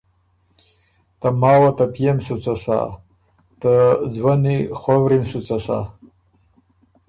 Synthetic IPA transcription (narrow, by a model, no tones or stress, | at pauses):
t̪amaːwat̪apʰjemsɨt͡sʼasa̰ | t̪ad͡zwaniχʷɐwɾimsut͡sʷʼasa̰